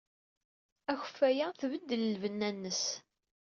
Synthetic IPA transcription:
æçə̥fːæjæθvəd̪ːələlvənːænːəs

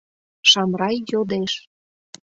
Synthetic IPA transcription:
ʃɑmɾɑjːod̪eʃ

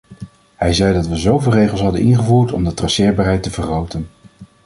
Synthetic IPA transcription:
ɦɛjzɛjdɑtʋəzowvɪːlˠrejχəlˠsɦɑdənʔɪnχəvuːɹtɔ̰mdətrɑsɪːɹbaːɹɦɛjtəvəχrowtən

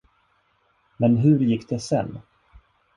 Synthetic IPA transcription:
mɛnɦɵɾjɪkːd̪ɛsɛ̰nː

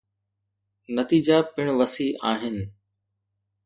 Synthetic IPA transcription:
nɐt̪iːd͡ʑapɪɽ̃ʋɐsiʔaːɦɪnɪ̆

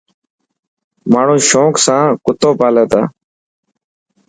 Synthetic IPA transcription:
maːɳ̤ũːʃõːksãːkʊt̪oːpaːleːt̪a̰ː

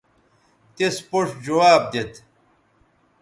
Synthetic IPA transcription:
t̪espoʂd͡ʑɐwaːb̚d̪et̪

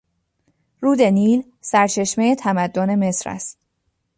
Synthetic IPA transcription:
ɾuːd̪e̞niːl | sæɾt͡ʃʰe̞ʃmejet̪ʰæmæd̪ːone̞me̞sɾæ̰st̪

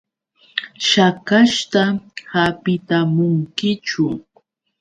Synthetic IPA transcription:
ʃakaʃt̪ahapɪt̪amʊŋkɪt͡ʃʊ

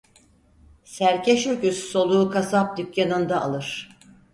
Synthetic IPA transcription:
sæɾcʰeʃøkysso̞lˠuːkʰasap̚d̪ykjanɯnd̪aːlˠɯɾ̥

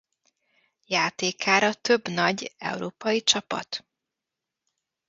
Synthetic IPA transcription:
jaːt̪eːkaːɾɒt̪øbnɒɟɛ̰wuɾoːpɒjit͡ʃɒpɒ̰t̪

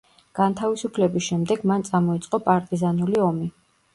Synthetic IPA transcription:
ɡ̥ant̪ʰavisupʰlɛbisʃɛmd̪ɛɡmant̪sʼamɔit̪sʼqʼɔpʼaɾt̪ʼizanuliɔmi

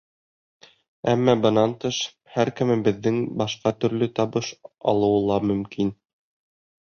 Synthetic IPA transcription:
æmːɑbɤ̆nɑnt̪ɤʃ | hæɾkɘ̆mɘbɘ̆ðːɘŋbɑʃqɑt̪ɵ̆ɾlɵt̪ɑβɤʃɑ̰lˠɤ̆wɤ̆lˠɑmɵ̆mkin

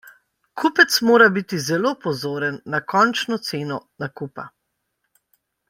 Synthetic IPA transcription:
kʰupɛt̪smoːɾabit̪izɛloːpɔzoːɾənːakɔnt͡ʃnɔt̪seːnɔnakuːpa̰

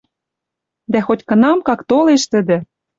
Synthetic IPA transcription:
d̪æxotʲkɤ̆nɑmkɑkt̪oleʃt̪ə̆d̪ɘ̆

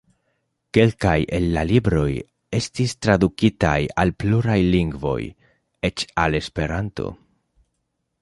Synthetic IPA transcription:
ke̞lkajʔe̞nːalibɾo̞j | e̞stistɾad̪ukita̰ja̰lpluɾajliŋɡvo̞̰j | e̞t͡ʃale̞spe̞ɾanto̞̰

